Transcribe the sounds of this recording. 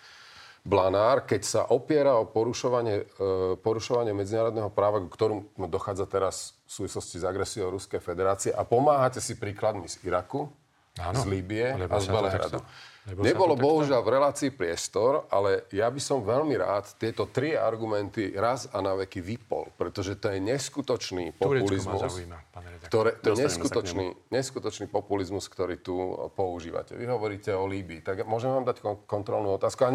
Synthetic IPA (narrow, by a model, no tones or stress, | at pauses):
blanaːɾkɛcsa̰ʔɔpɪɛɾaɔpɔɾuʃɔʋaɲɛpɔɾuʃɔʋaɲɪɛmɛd͡zinaːɾɔd̪nɛɦɔpɾaːʋakukt̪ɔɾuːmd̪ɔxaːd͡zat̪ɛɾasfsuːʋislɔscizaɡɾɛsiɔʊɾuskɛjfɛd̪ɛɾaːt͡siɛʔapɔmaːɦacɛsipɾiːklad̪miziɾaku | zliːbiɛazbɛlɛɦɾa̰d̪ṵɲɛbɔlɔbɔɦuʒɪalvɾɛlaːt͡siːpɾɪɛst̪ɔɾalɛjabisɔmʋɛlmiɾa̰ːt̪ːɪɛt̪ɔt̪ɾia̰ɾɡumɛnt̪iɾazanaʋɛkiʋipɔ̰lpɾɛt̪ɔʒɛt̪ɔjɛɲɛskut̪ɔt͡ʃnḭːpɔpulizmuskt̪ɔɾɛːt̪ɔɛɲɛskut̪ɔt͡ʃnḭɲɛskut̪ɔt͡ʃniːpɔpulizmuskt̪ɔɾiːt̪upɔuʒḭːʋa̰cɛ̰ʋiɦɔʋɔɾiːcɛɔliːbiːt̪aɡmʊɔʒɛmʋaːmd̪ackkɔnt̪ɾɔlnuɔt̪aːskua